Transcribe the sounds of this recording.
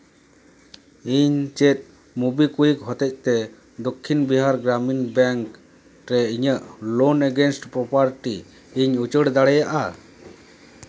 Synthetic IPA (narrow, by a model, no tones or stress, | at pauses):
iɲt͡ʃɛt̪̚ˀ | mubikujik̚ɦɔt̪ɛc̚t̪ɛ | d̪ɔkʰːinbiɦaɾɡɾaminbɛŋk | ɾɛiɲəʔlɔnɛɡɛnsʈpɾɔpaɾʈiː | ɲut͡ʃəɽd̪aɽɛjaʔa